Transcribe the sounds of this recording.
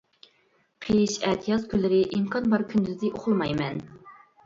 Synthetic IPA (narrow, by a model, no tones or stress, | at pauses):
qʰeʃɛːt̪ʰijɑzkʲʰylɪɾɪʔimkʰɑnbɑɾkʲʰynd̪yzd̪ɪʔoχʊlˠmɑjmɛn